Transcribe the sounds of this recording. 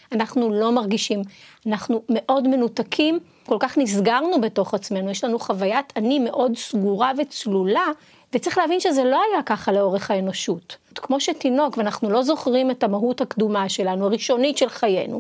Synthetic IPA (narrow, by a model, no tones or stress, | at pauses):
anaχnulo̞maʁɡiʃimanaχnume̞ʔo̞dme̞nutakʰim | ko̞lkaχnizɡaʁnube̞to̞χat͡sme̞nujeʃlanuχavajatanime̞ʔo̞dsɡuʁavet͡slula | vett͡sʁiχleavinʃezelo̞ajakaχale̞o̞ʁeχhaeno̞ʃuttkmo̞ʃetino̞kveanaχnulo̞zo̞χʁime̞tamaɦuthakdumaʃe̞lanuaʁiʃo̞nitʃelχaje̞̰nṵ